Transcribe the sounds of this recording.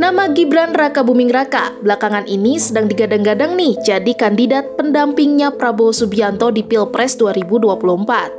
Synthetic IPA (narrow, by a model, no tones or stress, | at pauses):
namaɡibɾanrakabumɪŋraka̰bəlakaŋanʔinisədaŋdiɡadaŋɡadaŋnihd͡ʒadikandidat̪̚pəndampɪŋɲapɾabosubiant̪ɔdipɪlpɾɛsduaɾibuduapuluhəmpat̪̚